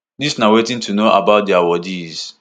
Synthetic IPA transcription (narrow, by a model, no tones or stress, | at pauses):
disnawetĩntʰunoʔabaʊt̚diawɔdiz̥